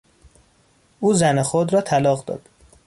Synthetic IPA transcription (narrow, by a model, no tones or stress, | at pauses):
ʔuːzænexod̪ɾɒːt̪ʰælɒːɣd̪ɒ̰ːd̪̥